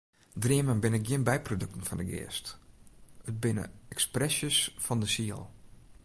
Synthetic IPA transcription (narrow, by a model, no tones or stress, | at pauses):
driəmənbɪnɪk̚ɡjɪənbɛjprodøk̚tən̩fɔndəɡɪ̰ːst | ət̚bɪnə̰ɛksprɛsjəsfɔndəsiə̰lˠ